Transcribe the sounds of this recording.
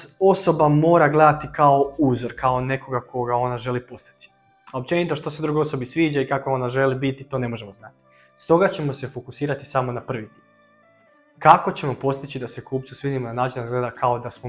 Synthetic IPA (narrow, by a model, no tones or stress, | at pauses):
o̞so̞bamo̞ːɾaɡle̞d̪at̪ikao̞uːzo̞ɾkao̞ne̞ko̞ɡakʰo̞ɡao̞naʒe̞lipo̞st̪i̥t̪i̥ | aop̚t͡ɕe̞nit̪o̞ʃt̪osed̪ɾuɡojo̞so̞bisʋiːd͡ʒaikakoo̞naʒe̞libit̪it̪o̞ne̞mo̞ʒe̞moznat̪i̥ | st̪o̞ɡat͡ɕe̞mo̞se̞fo̞kusiːɾat̪i̥samo̞napr̩ʋit̪i | kako̞t͡ɕe̞mo̞po̞st̪it͡ɕid̪ase̞kuːp̚t̪susʋiːd̪imonanaːt͡ʃinaɡle̞d̪akʰaod̪asmo